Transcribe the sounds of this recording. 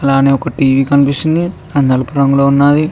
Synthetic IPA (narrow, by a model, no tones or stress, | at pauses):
ɐlaːneːɔkɐʈiːʋiːkɐnipiʂind̪i | ɐnɐlɐpuɾɐŋɡuloːunːaːd̪i